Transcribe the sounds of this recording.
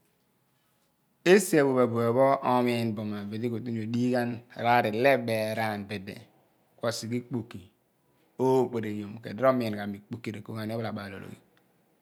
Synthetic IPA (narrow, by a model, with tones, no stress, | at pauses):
e˦si˦e˨bo˨be˨bu˨e˨bɔ˦ɔ˦mi˦˨nbo˨ma˨be˨di˦ko˨tu˦o˨di˦ɡa˦n˨ɾa˦ɾi˨le˦be˨ɾa˦˨nbe˨dḛ˨ | kʷo˦si˨ki˦k͡pu˨kːi˨ | o˦k͡pe˨ɾe˨jo˨m˨kḛ˨dɾo˦m˦i˨n˨ka˨mi˨k͡pu˨ki˨ɾe˨ko˦˨ɡa˨n˦ɔ˦bla˨ɓa˨lo̰˨ɾo̰˨ɡḭ˨